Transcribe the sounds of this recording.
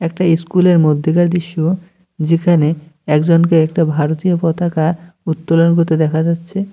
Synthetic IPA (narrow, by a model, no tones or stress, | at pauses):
ɛk̚ʈaeskuleɾmod̪ʱːikaɾd̪iʃːu | d͡ʑekʰaneɛkd͡ʑonkeɛk̚ʈabʱaɾot̪ijopɔt̪akaut̪ːolonkoɾt̪ed̪ɛkʰad͡ʑatːɕʰe